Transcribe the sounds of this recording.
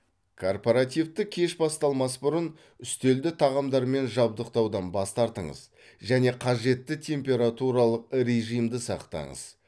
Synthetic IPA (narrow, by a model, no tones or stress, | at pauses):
kʰo̞rpoɾat̪ijft̪ɪkʲʰe̞ʃbɑst̪ɑlˠmɑsbʊɾən | ʏst̪e̞ld̪ɪt̪ʰɑʁɑmd̪ɑɾme̞nʒɑb̚d̪əq̚t̪ɑwd̪ɑnbɑst̪ɑɾt̪əɴə̰z | ʒæne̞qʰɑʒe̞t̪ːɪt̪ʰʲe̞mpʲe̞ɾat̪uɾɑlˠəq̚ɾe̞ʒijmd̪ɪsɑqt̪ɑ̰ɴə̰z̥